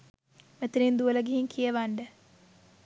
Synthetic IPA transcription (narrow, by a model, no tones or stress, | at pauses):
met̪iɾind̪uələɡeɦiŋkʰijəʋaɳɖə